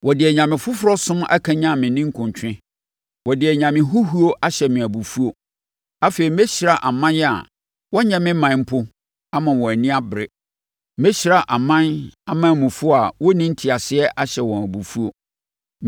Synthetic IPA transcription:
wɔ˨dɪ˨ɛ˨ɲã˨mɪ̃˨fʊ˦fʊ˦ɾɔ˦sʊ̃˦ma̰˦kʰã˨ɲã˦˨mɪ̃˨nɪ̃˦ŋ̩˦kʰʊ̃˨ɲ˨t͡ɕᶣɪ̃˦ | wɔ˨dɪ˨ɛ˨ɲã˨mɪ̃˨ɦʊ˦ɦu˦o˦ʔa˦ɕɛ˨mɪ̃˨æ˨bu˨fu˦o˨ | a˦fe˨ɾi˨m˦ɛ˦ɕɾa˨ʔa˨mã˦njɛ˦a̰˨ | wɔ˦ɲɛ̃˨mɪ̃˦mã˨n˦m̩˦pʰʊ˦ | a˦mã˨wɔ̃˨æ˨nĩ˦a˦bɪ˨ɾɪ˦ | me˦ɕɾa˦ʔa˨mã˦na˦mã˨˦˨mʊ̃˨fʊ˦a˨wɔ˦nĩ˦n̩˦tʰi˨a˨sɪ˦ɛ˦ʔa˦ɕɛ˨wɔ̃˨næ˨bu˨fu˦o˨

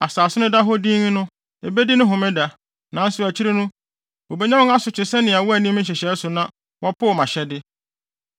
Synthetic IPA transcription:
a˨saː˨sɪ˦nʊ̃˦da˦ɦo˦dĩ˦ŋ˦nʊ̃˦ | e˨be˦di˦nʊ̃˦ɦʊ̃˨mɪ̃˦da˨ | nã˨˦n̩˦sʊ˨æ˨t͡ɕʰi˦ɾɪ˦nʊ̃˦ | o˨be˦ɲã˦ʊ̃˦a˦sʊ˨t͡ɕʰɪ˨sɛ˦nɪ̃˨a˨wʊ˦æ˨nĩ˦m̩̃˦ɕ̬ɛ˨ɕɛ˨˦sʊ˨nã˦ | wʔɔ˦pʰʊ˦˨mã˨ɕɛ˦dɪ˦

